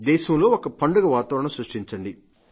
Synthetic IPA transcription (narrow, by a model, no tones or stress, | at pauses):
d̪ɛːʃɐmlo̞ːɔkɐpɐɳɖuɡɐʋaːt̪ɐːɾɐɳɐmsɾɐʂʈiɲt͡ʃɐɳɖi